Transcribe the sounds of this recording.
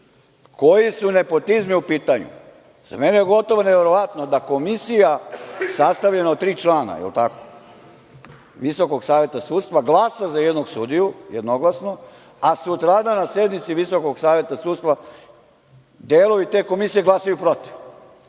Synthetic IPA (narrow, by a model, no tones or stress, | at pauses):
ko̞jisune̞po̞t̪izmiupiːt̪aɲṵ | z̥a̰menejeɡo̞t̪o̞ʋaneʋeɾoʋat̪no̞d̪ako̞misijasast̪aʋʎenaot̪t̪ːɾiːt͡ʃlaːna̰jḛlt̪ako̥ | ʋiso̞koɡsaːʋje̞t̪asuːdt̪st̪ʋaɡlˠaːsazajed̪noɡsud̪ijujed̪no̞ɡlˠasno | asut̪ɾaːd̪anasjed̪nit̪siʋiso̞ko̞ɡsaːʋje̞t̪asuːt̪st̪ʋa | d̪eːloit̪e̞ːko̞misijeɡlˠasajupɾo̞t̪i̥f